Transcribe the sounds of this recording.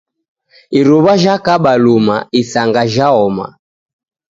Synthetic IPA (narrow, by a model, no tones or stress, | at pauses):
iɾuβaʒakaɓalumaisaŋɡaʒaɔma̰